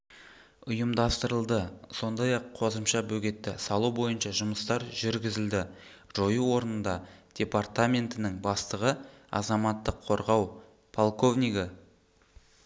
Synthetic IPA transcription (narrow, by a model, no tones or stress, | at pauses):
ʊjəmd̪ɑst̪əɾəlˠd̪əso̞nd̪ɑjɑqʰːo̞zəmʃɑbɵɡʲe̞t̪ːɪsɑlˠubo̞jənʃɑʒʊməst̪ɑɾʒʏɾɡʲɪzɪld̪ɪ | ʒ̥o̞juwo̞ɾnənd̪ɑd̪̥ʲe̞part̪amʲe̞nt̪ɪnɪŋbɑst̪əʁəɑ̰zɑmɑt̪ːəqʰːo̞ɾʁɑw | pʰolˠko̞vnʲijɡə